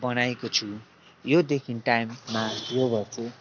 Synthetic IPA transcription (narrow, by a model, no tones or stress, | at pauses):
bʌnajekot͡sʰu | jod̪ekʰinʈajmːajobʌrse